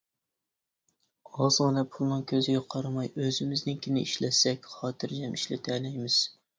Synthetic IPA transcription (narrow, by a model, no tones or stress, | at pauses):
ɑzʁɨnɨpʰulˠnɨŋkʲʰøzɪɡʲɛqʰɑɾɑmɑjøzɪmɪznɪŋkʲʰinɪiʃlɛsɛkʲχɑːt̪ʰɨɾd͡ʒɛmʔiʃlɪt̪ʰɛlɛjmɪz̥